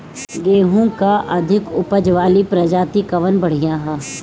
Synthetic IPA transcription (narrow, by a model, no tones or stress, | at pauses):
ɡeːɦũkaʔɐd̪ʱɪkʊpəd͡ʒʋaːlipɾɐd͡ʒaːt̪ikɐʋənbɐɽ̤ijãɦaː